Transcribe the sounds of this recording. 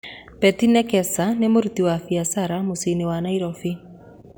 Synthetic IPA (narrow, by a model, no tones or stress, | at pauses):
pɛt̪inɛkɛsanemoɾut̪iwafiasaɾamosinewanaiɾɔfi